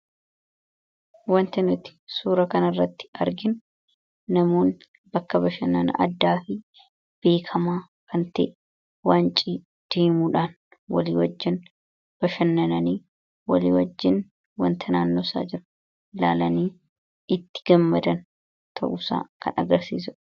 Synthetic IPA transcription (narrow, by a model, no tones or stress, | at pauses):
wɐnt̪ɐnʊt̪ɪ̥suːɾɐkɐnɐrːɐt̪ːɪ̥ɐɾɡɪnː | ɐmo̞ːn | bɐkːɐbɐʃɐnːɐnɐ̰ʔɐ̰d̪ːaːfɪ | b̥e̞ːkʰɐmaː | kʰɐnt̪ḛːʔ | waːnt͡ʃʼiː | d̪̥eːmuːᶑaːn | wɐ̰lḭːwɐd͡ʒːɪn | b̥ɐʃɐnːɐnɐniː | wɐlḭːwɐd͡ʒːɪn | wɐ̰nt̪ʰɐnaːnːoːsa̰ːd͡ʒɪɾ | la̰ːlɐniː | ɪt̪ːɪ̥ɡɐmːɐd̪ɐn | t̪ʰɐ̰ʔʊsa̰ːkɐ̰nɐɡɐɾsiːs̬ʊ